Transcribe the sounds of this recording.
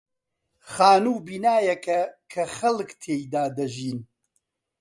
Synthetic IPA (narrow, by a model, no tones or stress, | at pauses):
xaːnuːbiːnaːjɐkʰɐkʰɐxɐlkt̪ʰeːjd̪aːd̪ɐʒiːn